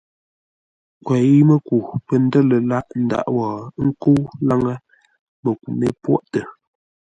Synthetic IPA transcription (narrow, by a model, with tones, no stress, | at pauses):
kwɛ˨i˦mə˦ku˨pə˨n̩˦də˦lə˨la˦ʔn̩˨da̰˨ʔwɔː˨˦ŋ̩˦ko˦wla˦ŋə˦ | mə˨k̚u˨me˦pwɔ˦ʔtə˨